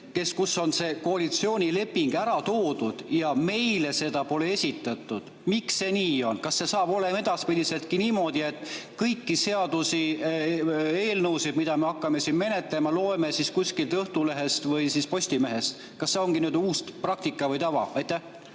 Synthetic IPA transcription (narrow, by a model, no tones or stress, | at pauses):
ke̞skusːo̞nse̞ːko̞ɑlit̪sio̞ːnʲile̞pːiŋɡ̥æɾɑt̪o̞ːd̪̥ud̪̥jɑme̞jle̞se̞d̪̥ɑpo̞lee̞sʲit̪ːˑɑt̪ːˑud̪̥ | miksːe̞niːo̞nkɑsːe̞sɑːb̥o̞lee̞d̪̥ɑspid̪ise̞lt̪̚kiniːmo̞ːd̪iet̪ːkɤjkːise̞ɑd̪̥usi | e̞ːlnɤwsid̪̥mid̪̥ɑmeɑkːˑɑme̞sinme̞ne̞t̪ˑle̞mɑlo̞emesiskusʲkilt̪ɤht̪ule̞ɦe̞st̪vɯjsispo̞sʲt̪ime̞ɦe̞st̪ | kɑsːeo̞ŋɡ̥inyːd̪uːst̪prɑk̚t̪ikˑːɑvɤjt̪ɑvɑ̰ɑjt̪ːˑæh